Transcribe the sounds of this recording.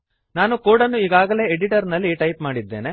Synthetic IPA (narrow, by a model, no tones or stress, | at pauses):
naːnukoːɽɐnːuiːɡaːɡɐle̞ːeɖiʈɐɾnɐlːiʈɐjpmaːɽid̪ːeːne̞